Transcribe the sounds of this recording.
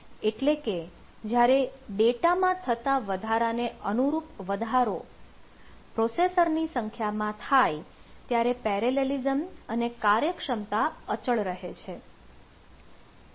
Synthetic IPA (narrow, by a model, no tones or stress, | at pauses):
eʈleke | d͡ʒjaɾeɖeʈamãt̪ʰət̪aʋəd̪ʱaɾaneənuɾupʋəd̪ʱaɾo | pɾosesəɾnisəŋkʰjamãt̪ʰajt̪jaɾepɛɾelelizəmənekaɾjəkʂəmt̪aət͡ʃəɭɾəɦet͡ʃʰe